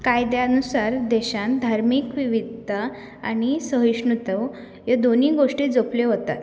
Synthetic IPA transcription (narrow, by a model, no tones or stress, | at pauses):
kajd̪jaənusaɾd̪ɛɕãnd̪ʱaɾmiːkʋiʋid̪ʱə | a̰ñisəɦiɕɳut̪əw | jed̪on̤iːɡoʂʈiːd͡zopleɦot̪a̰t̪